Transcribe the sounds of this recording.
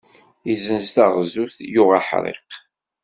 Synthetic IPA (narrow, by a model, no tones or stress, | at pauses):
izənzt̪aʁzuθjʊʁaħɾˤḛq